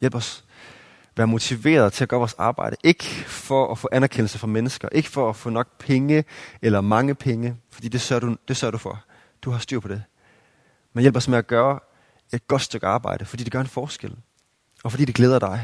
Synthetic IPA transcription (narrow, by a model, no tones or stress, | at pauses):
jel̰b̥ɒ̽s | ʋæːɐmo̝t͡sʰiʋe̝̰ːɐð̞ˠt͡sʰe̝læɡ̥ɶːɐʋɒsɑ̈ːb̥ɑ̈ɪ̰ɾ̥əʔe̝ɡ̥fɒ̽ʔːfɔ̰̽ːʔænæɐkʰen̰l̩səfʁɑ̈menəsɡ̥ɐʔe̝ɡ̥ə̥fɒ̽ːfɔ̰̽ːnɒ̽ɡ̥̚pʰeŋəelɐmɑ̈ŋəpʰeŋəfɒ̽d̥ḭːd̥e̝sɶɐɾ̥ud̥e̝sɶɐɾ̥ufɒ | d̥uɦɑ̈sd̥yɐ̰pʰɒ̽d̥e | menjelb̥ɒ̽smeæɡ̥ɶːɐ | e̝d̥̚ɡ̥ɒ̽d̥sd̥øɡ̥ɑ̈ːb̥ɑ̈ɪ̰ɾ̥əfɒ̽d̥ḭːd̥e̥ɡ̥ɶɐe̝nfɒːsɡ̥el̰ | ɒ̽fɒ̽dḭːd̥eɡ̥leːð̞ˠɐd̥ɑ̈ɪ